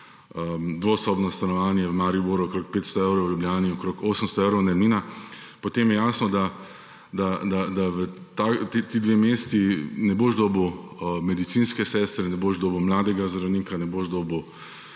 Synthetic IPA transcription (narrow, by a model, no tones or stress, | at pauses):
əd̪ʋoːsɔːbnɔst̪anɔʋaːnjɛʋmaːɾiboɾuɔkɾoːk̚peːt̪st̪ɔeːwɾowjubljaːniɔkɾokoːsəmst̪ɔewɾɔnɛɾmiːnapot̪emjɛjaːsnɔd̪a | d̪ad̪ad̪aʋət̪at̪et̪id̪ʋemeːst̪inɛboʒd̪oːbwmɛd̪it̪sinskɛsɛst̪ɾɛnɛboʒd̪oːbəwmlaːd̪ɛɡazd̪ɾawniːkanɛboʒd̪oːbw